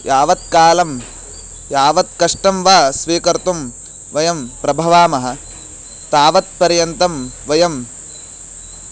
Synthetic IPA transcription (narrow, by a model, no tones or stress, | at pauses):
jaːʋɐt̪̚kaːlɐm | jaːʋɐt̪̚kɐʂʈɐmʋaːsʋiːkɐɾt̪um | ʋɐjɐmpɾɐbʱɐʋaːmɐɦɐ̆ | t̪aːʋɐt̪̚pɐɾjɐnt̪ɐmʋɐjɐm